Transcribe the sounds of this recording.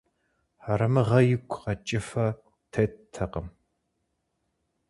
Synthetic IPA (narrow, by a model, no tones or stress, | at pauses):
ħaɾɐmɨʁɐjɪkʷʰqɐt͡ʃʼɪfɐ | tʰɐttʰɐqəm